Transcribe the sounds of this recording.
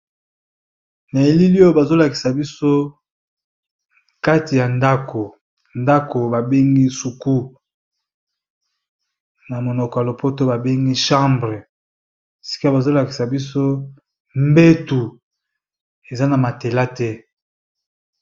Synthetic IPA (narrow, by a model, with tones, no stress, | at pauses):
na˨e˨li˦li˦jo˦ba˨zo˦la˨ki̥˨sa˨bi˦so˦ | ka˦ti˨ja˨nda˦kʰo˨ | nda˦ko˨ba˨be˦ŋɡi˦su˨ku˦ | na˨mo˨nɔ˨kɔ˨ja˨lo˨pʰo˦to˦ba˨be˦ŋɡi˦ʃã˦mbʁe˨ | si̥˦ka˦ba˨zo˦la˨ki̥˨sa˨bi˦s̬o˦ | mbe˦tu˨ | e˨za˦na˨ma˨te˨la˦tɛ˦